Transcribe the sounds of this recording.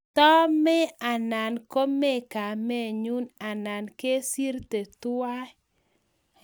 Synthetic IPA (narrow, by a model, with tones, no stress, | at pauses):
tɔ˦mɛ˦a˨na˨nko˦me˦ka˨me˦ɲu˦na˨na˨nke˦si˦ɾte˨tʊ˦a˦